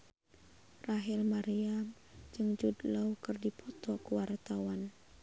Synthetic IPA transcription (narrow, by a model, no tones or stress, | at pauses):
raɦilmaɾiam | d͡ʒɨŋd͡ʒudlakɨrdipʰɔt̪ɔkuwart̪awan